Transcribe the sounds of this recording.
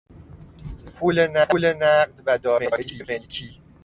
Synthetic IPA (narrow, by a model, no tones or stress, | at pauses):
pʰuːlenælenæɢd̪væd̪ɒːmeːʔeimelcʰiː